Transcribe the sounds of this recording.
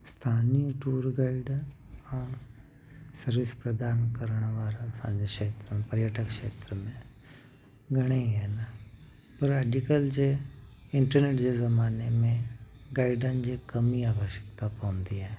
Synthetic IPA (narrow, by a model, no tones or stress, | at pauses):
st̪ʰaːniʈuːɾɡaːiɖ | ã | səɾʋɪspɾəd̪aːnkəɾəɳ̃ʋaːɾasã̰ːɲd͡ʒekʃeːt̪ɾəmẽpəɾjaːʈəkʃeːt̪ɾəmẽ | ɡəɽ̃eiɦɛːn | pəɾɛːɖikəld͡ʒeɪɳʈəɾneːʈd͡ʒeːzəmaːnemẽɡaːiɖãːnd͡ʒeːkəmiaːʋəʃjəkt̪apãʊ̃nd̪iːɦɛː